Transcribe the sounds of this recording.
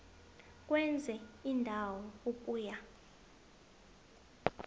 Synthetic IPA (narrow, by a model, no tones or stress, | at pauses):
k̬ʼwɛnd͡zʱɛindʱawɔukʼuːja